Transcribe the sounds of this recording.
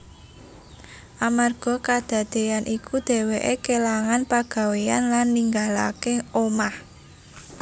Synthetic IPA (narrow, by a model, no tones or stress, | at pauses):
ʔamarɡ̥ɔ̤kad̪̥a̤d̪̥e̤janʔikud̪̥e̤weʔekelaŋanpaɡ̥a̤weanlanːiŋɡala̰keomah